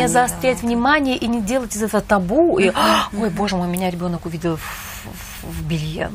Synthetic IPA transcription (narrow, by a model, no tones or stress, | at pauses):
ezəɐst̪ɾʲætʲvnʲɪmanʲɪjəʔinʲɪdʲe̞lˠətʲɪzɛt̪əvət̪ɐbuio̞jbo̞ʐɨmojʊmɪnʲaɾʲɪbʲo̞nəkʊvʲidʲɪlˠf | vbʲɪlʲjḛ